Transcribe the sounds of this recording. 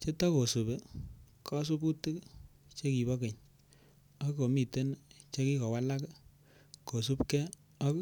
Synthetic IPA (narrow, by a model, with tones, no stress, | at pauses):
t͡ʃe˦tɔ˦ko˨su˨be˨kʰɔ˦s̬u˦bu˦ti˦kt͡ʃe˦ki˨bɔ˦ke˨ɲ | ɔ˦ko˨mi˨te˦n˦t͡ʃe˦ki˦kɔ˨wa˦la˦k | ko˨su˦pkɛ˦ | ɔ˦k